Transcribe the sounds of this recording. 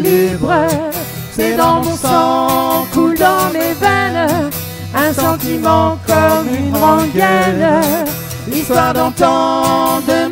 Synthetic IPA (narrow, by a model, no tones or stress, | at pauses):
libʁə | sɛd̪ɑ̃mɔ̃sɑ̃kud̪ɑ̃levɛn | ɛ̃sɑ̃t̪imɑ̃kɔmynʁɔ̃ɡɛn | list̪waʁd̪ɑ̃t̪ɑ̃d̪ə